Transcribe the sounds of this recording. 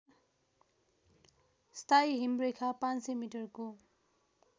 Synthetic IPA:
st̪ʰajɦimrekʰapãnsemiʈʌrko

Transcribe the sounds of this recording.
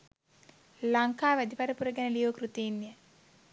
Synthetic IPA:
lɐŋkaːʋɐd̪ipɐɾɐpuɾɐɡɐnɐlijoːkɾut̪iːnjɐ

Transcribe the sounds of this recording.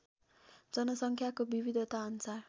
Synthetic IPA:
d͡zʌnʌsʌŋkʰjakobibid̪ʱʌt̪aʌnsar

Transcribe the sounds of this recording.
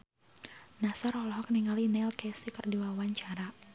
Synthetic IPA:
nasɔɾɔlɔɦɔkniŋalinɛlkɛsikərdiwawaɲt͡ʃaɾa

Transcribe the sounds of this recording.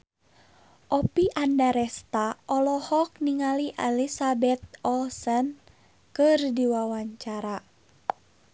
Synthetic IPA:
ʔɔpiʔandaɾɛst̪aʔɔlɔhɔk̚niŋaliʔɛlisabɛt̪̚ɔlsən | kɨrdiwawaɲt͡ʃaɾa

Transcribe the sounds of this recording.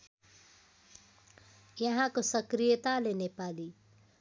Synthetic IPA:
jʌɦãkosʌkɾijət̪alenepali

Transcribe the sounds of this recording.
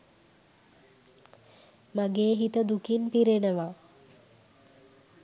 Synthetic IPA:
maɡeːɦit̪əd̪ukinpiɾenəʋa

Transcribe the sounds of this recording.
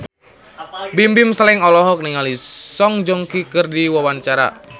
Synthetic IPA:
bimbimslɛŋɔlɔɦɔk̚niŋalisɔŋd͡ʒɔŋkikɨrdiwawant͡ʃaɾa̰

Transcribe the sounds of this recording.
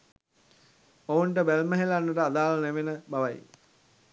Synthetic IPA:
ouɳʈəbælməɦelanːəʈəad̪aːlneʋenəbaʋaj

